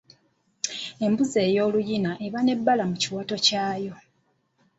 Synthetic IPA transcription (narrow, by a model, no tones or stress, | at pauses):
e̞mbuze̞ːjo̞ːlujinaʔe̞βane̞bːalamuciwato̞caːjo̞